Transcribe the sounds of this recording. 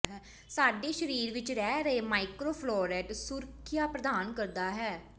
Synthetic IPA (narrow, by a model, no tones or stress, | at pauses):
ɦɛː | saːɖeːʃəɾiːɾʋɪt͡ʃɾɛːɾəeːmaːɪkɾoːpʰlɔːɾɛːʈsʊɾkʰɪjaːpɾəd̪aːnkəɾd̪aːɦɛː